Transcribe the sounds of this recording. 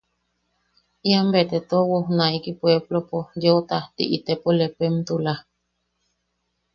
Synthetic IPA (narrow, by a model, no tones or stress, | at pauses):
iambet̪et̪owohnaikipweblopojot̪aht̪ḭʔit̪epolepemt̪ula